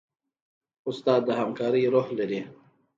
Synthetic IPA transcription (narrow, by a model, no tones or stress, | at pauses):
ʊst̪ɑːd̪ːəɦamkaːɾiɾohlɐɾi